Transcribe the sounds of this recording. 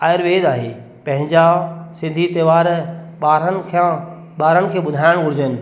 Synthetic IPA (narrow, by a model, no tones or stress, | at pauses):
aːɪɾʋeːd̪aːɦeː | pɐ̃ɦɪ̃ɲd͡ʑasɪ̃nd̪ʱit̪ɐːʋaːɾɓaːɾənkʰã | ɓaːɾənɪ̆kʰeːɓʊd̪ʱaːɪɽ̃ɡʊɽɪd͡ʑənɪ̆